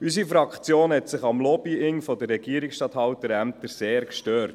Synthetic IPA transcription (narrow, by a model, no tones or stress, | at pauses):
ysifɾɑkχt͡sjoːnhɛt̪sɪχɑmlɔb̥iɪŋfɔd̪ərːɛɡ̥iəɾɪksʃtɑt̪hɑwt̪əɾæmt̪əɾseːɾkʃtøːɾt